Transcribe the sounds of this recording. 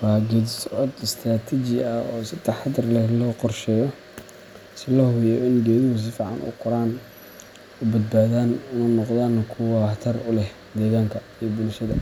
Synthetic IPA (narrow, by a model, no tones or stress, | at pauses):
waɡɛd̪sʕɔd̪ɪst̪ʰraːt̪ʰit͡ʃɪɐɔːsɪt̪ʰɐħɑd̪ɐrlɛhlɔːqɔrʃɛːjɔ | sɪlɔhʊjɔɪnɡɛːðɪhʊs̬ɪfɑʕɑ̰nʊ̰qɔɾaːn | ʊbɐd̪̚baːðaːnʊnɐnɔqd̪aːnkʰʊwɑt̪ʰɐrʊlɛh | d̪ɛːɣaːŋkʰɐijbʊlʃɐðɐ̰